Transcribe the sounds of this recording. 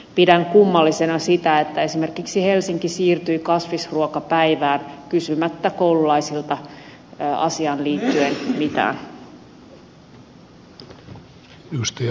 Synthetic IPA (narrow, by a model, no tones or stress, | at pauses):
pidæŋkumːɑlːisenɑsit̪æet̪ːæe̞sime̞rkiksihe̞lsiŋkisiːrt̪yjikɑsʋisruokɑpæjʋæːnkysymæt̪ːækowlulɑjsilt̪ɑ | ɑ̰siɑːnliːt̪ːyenmit̪æ̰ːn | ust̪ɑ